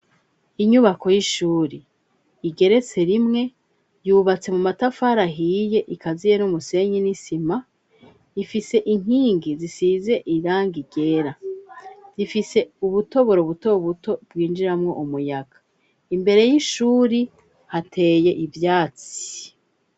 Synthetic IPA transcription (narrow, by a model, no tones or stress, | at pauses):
iɲuβako̞jiʃuːɾi | iɡe̞ɾe̞t͡se̞ɾimŋe̞ | juːβat͡se̞mumatafaːɾaɦije̞ʔikʰazije̞numuse̞ɲinisima | ifise̞ʔiŋ̥iːŋɡizisize̞ʔiɾaːŋɡiɡe̞ːɾa | z̥ifise̞uβuto̞βo̞ɾoβuto̞βuto̞bɡiːnd͡ʒiɾamŋo̞̰ʔumujaɡ̥ḁ | imbe̞ɾe̞jiʃuːɾi | hatʰe̞je̞ʔivjaːt͡si̥